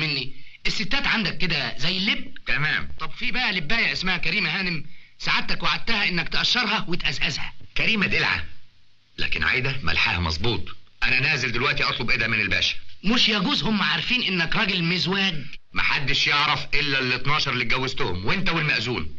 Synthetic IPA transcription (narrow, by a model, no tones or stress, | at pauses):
menːiʔesːet̪ːæːt̪ʕand̪ækːed̪æzæjːelːeb̚t̪æmæːmt̪ˤɑbfiːbæʔælebːæːjeʕʔesmæhækæɾiːmæhæːnemsaʕat̪t̪ːækwaʕad̪̚t̪æhæʔenːæk̚t̪ʔæʃːɑɾˤhɑwet̪ʔæzʔæzhæ̰kæɾiːmæd̪elʕa̰ | læ̰ːkenʕa̰jd̪æmæ̰lħa̰ːhæmɑ̰zˤbuːt̪ˤʔænænæːzeld̪elwæʔt̪iʔɑt̪ˤlobʔed̪æmenelbæ̰ːʃæ̥moʃjæɡuːzhomːæʕaɾˤfiːnʔenːækɾˤɑːɡelmezwæːɡ̪mæ̰ħad̪ːeʃjeʕɾˤɑfʔelːælːet̪nɑːʃɑɾˤlit̪̚ɡæwːezt̪ʊhʊmwent̪æwelmæʔzuːl